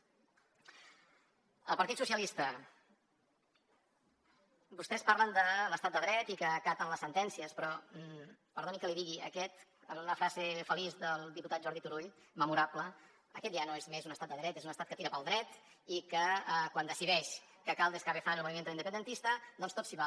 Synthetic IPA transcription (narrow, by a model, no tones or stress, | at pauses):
əlˠpəɾt̪it̪susjəlist̪ə | bust̪ɛspaɾlənd̪ələst̪at̪̚d̪əðɾɛt̪ikəːkat̪ənləsənt̪ɛnsiəspɾɔ | pəɾðonikəliðiɣiə̰kɛt̪ənləfɾazefəlizd̪əlˠd̪iput̪at̪̚ʒɔɾðit̪uɾuʎ | məmuɾapləː | kɛt̪ʒanoezmezunəst̪at̪d̪əðɾɛt̪ezunəst̪at̪̚kət̪iɾəpəlˠd̪ɾɛt̪ | ikəkwand̪əsiðɛʃ | kəkalˠd̪əskaβefanəlˠmuβimend̪əlind̪əpənd̪ənt̪ist̪əd̪ɔnst̪otsiβa